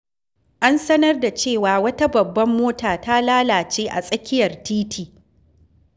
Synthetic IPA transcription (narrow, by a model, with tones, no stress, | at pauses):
ʔa˦nsɐ˦nɐ˦rda˨t͡ʃeː˦˨waː˨wɐ˦ta˦bɐ˨bːɐ˦mːoː˦taː˨ta˦laː˦laː˨t͡ʃeː˦ʔa̰˨sʼɐ˦kʲɪ˦jɐ˨rtiː˦tʰiː˨